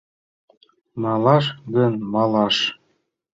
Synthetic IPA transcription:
mɑlɑʃ̬ɡənmɑlɑʃ

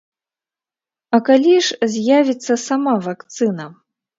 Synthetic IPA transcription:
ɐkalʲiʂzʲjavʲit̪sːɐsamavakt̪sɨnɐ

